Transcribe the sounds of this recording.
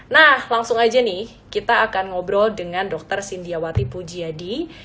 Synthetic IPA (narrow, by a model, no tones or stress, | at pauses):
nahlaŋsʊŋad͡ʒanɪh | kit̪aːkanŋɔbɾɔldəŋandɔk̚t̪ərsindiawat̪ipud͡ʒiadi